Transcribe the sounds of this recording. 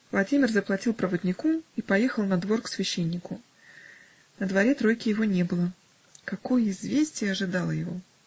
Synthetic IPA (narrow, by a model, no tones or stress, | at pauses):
vlˠɐdʲimʲɪrzəplˠɐtʲilˠpɾəvəd̪ʲnʲɪkuipɐjexəlˠnɐd̪vo̞rksvʲɪɕːenʲːɪkʊ | nəd̪vɐɾʲe̞t̪ɾo̞jkʲɪjɪvo̞nʲe̞bɨlˠə | kɐko̞jəɪzvʲesʲtʲɪjəɐʐɨd̪ɑlˠəjɪvo̞̰